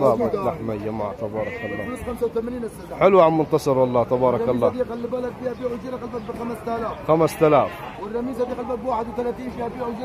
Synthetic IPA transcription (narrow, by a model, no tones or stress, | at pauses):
baːat̪laħmad͡ʒama̰ːʕt̪ɑbɑːɾˤɑkalːɑːlxamsawt̪amaniːnasaħɪlwʕanmʊnt̪ɑsˤɑɾˤwɑlˤːɑːt̪ɑbɑːɾˤɑkalːɑːd̪iqalːibalad̪biːhabiːʕʒiːɾaqalbat̪̚bɪxamst̪alaːfxamast̪alaːf | wɪrːɑmiːzad̪iːqalbat̪̚bwaːħɪd̪wɪt̪alat̪iːnʃiabiːʕwd͡ʒi